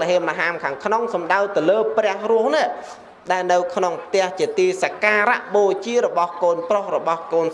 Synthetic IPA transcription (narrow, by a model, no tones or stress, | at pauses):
ɦeəmːaɦaːmkʰaːŋkʰnoŋsɑmɗawt̪ɨwləːprɛ̆əhrŭəhniəʔ | ɗaɛlnɨwkʰnoŋpʰt̪ɛ̆əht͡ɕiət̪iːsakaːɾa̰ʔɓoːt͡ɕiəɾɔɓɑhkoːnprohrɔɓɑhkoːn